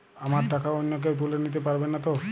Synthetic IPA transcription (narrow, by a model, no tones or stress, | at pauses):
amaɾʈakaɔjnːɔk̬ewt̪̬ulenit̪̬epaɾbenːat̪ɔ